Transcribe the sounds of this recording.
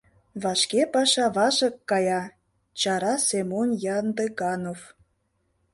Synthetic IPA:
βɑʃkepɑʃɑβɑʒə̆kːɑjɑ | t͡ɕɑɾɑsemonjɑnd̪eɡɑnof

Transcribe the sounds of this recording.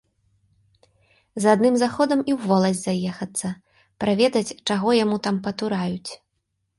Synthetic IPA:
zad̪nɨmzaxɔd̪ɐmiwvɔlˠɐzʲzajɛxɐt̪sːɐ | pɾavʲɛd̪ɐt͡sʲt͡ʂaɣɔjamut̪ampɐt̪uɾajut͡sʲ

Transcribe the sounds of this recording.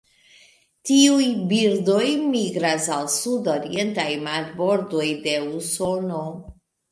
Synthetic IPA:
tiujbiɾdo̞jmiɡɾasalsudo̞ɾie̞ntajmaɾbo̞ɾdo̞jde̞uso̞no̞

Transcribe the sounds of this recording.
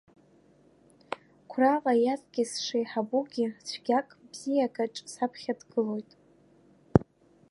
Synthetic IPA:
kʷʰravajazʼɡʲɪsʂejħabuɡʲɪt͡sʷʰɡʲakʼbz̥ijaɡaʈ͡ʂʼsapʰχʲadɡɨlo̞jtʼ

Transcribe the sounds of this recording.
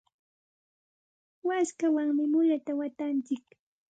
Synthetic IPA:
waskawaŋmɪmʊʎat̪awat̪ant͡ʃɪk

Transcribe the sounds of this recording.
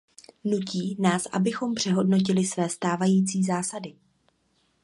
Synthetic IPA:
nuciːnaːsʔa̰bɪxo̞mpr̝̥ɛɦo̞dno̞c̬ɪlɪsvɛːst̪aːvajiːt͡siːzaːsadɪ

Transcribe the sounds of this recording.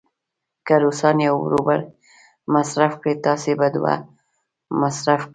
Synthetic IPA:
kaɾosɑnjawɾo̰baɾ | masɾafkɽet̪ɑsebad̪wa̰ | masɾafk

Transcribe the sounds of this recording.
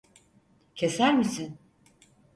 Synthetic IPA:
cʰe̞sæɾmisin

